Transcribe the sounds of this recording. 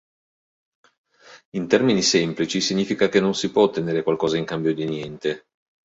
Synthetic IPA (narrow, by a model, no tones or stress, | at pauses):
int̪ɛrminisɛmplit͡ʃisiɲːiːfikakenːonsipwɔt̪ːeneːɾekwalkɔːzaiŋkambjod̪injɛnt̪e